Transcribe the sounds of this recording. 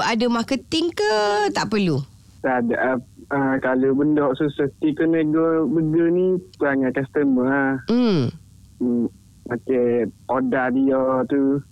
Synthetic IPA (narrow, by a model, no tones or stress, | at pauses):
adəmakət̪ɪŋkət̪aʔpəlu | t̪adaʔaəkalobəndɔʔsusət̪ikənəɡɔbəɡənipuaŋat̪̚kast̪əməm̩ | akeodahdijɔt̪u